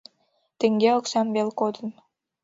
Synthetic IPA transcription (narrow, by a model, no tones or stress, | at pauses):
t̪eŋɡeoksɑmβelkod̪ən